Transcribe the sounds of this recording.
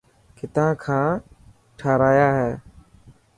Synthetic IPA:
kʰɪt̪ãːkʰãː | ʈʰaːɾaːjaːɦɛː

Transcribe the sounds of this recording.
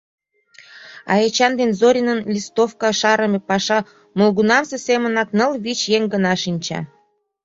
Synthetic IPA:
ɑ̰jet͡ɕɑnd̪enzoɾʲinənlʲist̪ofkɑʃɑɾəmʲepɑʃɑ | molɡunɑmsesemə̆nɑknəlβit͡ɕjeŋɡənɑʃinʲt͡ɕɑ̰

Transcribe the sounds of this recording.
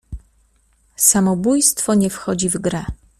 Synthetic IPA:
samɔbujst̪fɔɲɛfxɔd͡ʑivɡɾɛ

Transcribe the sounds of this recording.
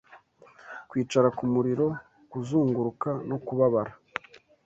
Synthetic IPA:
kwiːt͡ʃaɾakumuɾiɾo̞ | kuzuːŋɡuɾukano̞kuβaβaɾa

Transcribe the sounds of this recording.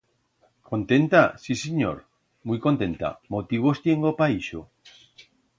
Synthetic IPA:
kont̪ent̪asiseɲo̰ɾ | mujkont̪ẽnt̪a̰mot̪iβ̞ost̪jeŋɡopaiʃo

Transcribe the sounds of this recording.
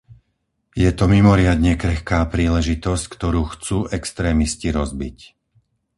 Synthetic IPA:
jɛt̪ɔmimɔɾɪad̪ɲɛkɾɛxkaːpɾiːlɛʒit̪ɔsckt̪ɔɾuːxt͡suːʔɛkst̪ɾɛːmisciɾɔzbic

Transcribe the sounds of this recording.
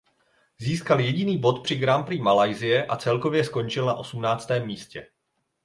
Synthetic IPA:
ziːskaljɛɟɪniːbo̞t̪pr̝̥ɪɡɾampɾiːmalajzɪjɛʔat͡sɛlko̞vjɛsko̞nt͡ʃɪlnaʔo̞sumnaːt͡st̪ɛːmːiːscɛ

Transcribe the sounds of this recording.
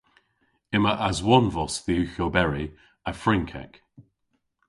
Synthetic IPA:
ɪməʔazwɔnvɔsðiʉçobɛɹi | əfɹɪ̃ŋkʰɛ̰k

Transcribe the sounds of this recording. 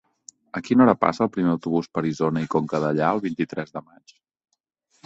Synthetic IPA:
əkinɔɾəpa̰səːlˠpɾimeəwt̪uβuspəɾizonəikoŋkəðəʎaəlˠβint̪it̪ɾɛzðəmat͡ʃ

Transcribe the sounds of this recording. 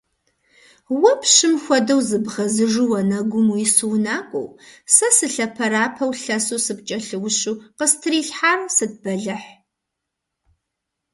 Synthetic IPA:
wɐpʰɕɨmxʷɔdɐwzɨbʁɐzɨʐɨwɐnɐɡʷʊmujɪsɨwnaːkʷʼɔ̰wsɐsɨɬɐpʰɐɾaːpʰɐwɬɐsuːsɨp̚t͡ʃʼɐɬɨwʊɕuːqəstʰɨriːɬħaːrɐsɨd̚bɐɮɐħ

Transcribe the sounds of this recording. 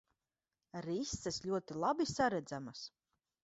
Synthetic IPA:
ɾist̪ːɛslʲuɔt̪ilˠabisaɾɛd̪zamas

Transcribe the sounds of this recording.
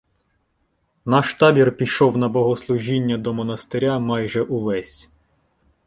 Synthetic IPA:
nɑʃt̪ɑbʲirpʲiʃɔwnɐbɔɦɔslˠʊʒinʲːɐd̪ɔmɔnɐst̪eɾʲamɑjʒɛʔuʋɛsʲ

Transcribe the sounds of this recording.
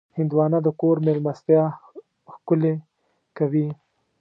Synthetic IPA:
hɪnd̪wɑːnad̪əkoɾmelmast̪jɑ | xkʊle | kawi

